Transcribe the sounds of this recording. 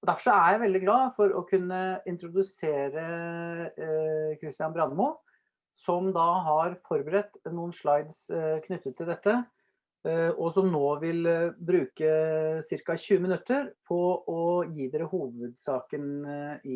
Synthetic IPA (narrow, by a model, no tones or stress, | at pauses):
ɔd̪æɾfɔʂɔæjæɪʋɛld̪ɪɡlɑːfɔɾɔ̰kʰʉnːəɪnt̪ɾʊd̪ʉseːɾə | kʰɾɪst̪ɪjɑnbɾɑnmʊ | sɔmd̪ɑɦɑɾfɔɾbəɾɛt̪ːnuːənʂlɑɪd̪skʰnʏt̪ːət̪ʰːɪld̪ɛt̪ːə | ɔsɔmnoːʋɪlbɾʉːkəsɪɾkɑɕʉːəmɪnʉt̪ːəɾpʰɔɔjiːd̪ɛɾəhuːʋəd̪sɑːkənɪ